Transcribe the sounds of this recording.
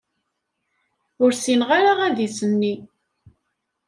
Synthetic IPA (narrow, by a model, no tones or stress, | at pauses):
ʊɾsinʁaɾaʁæðisənːi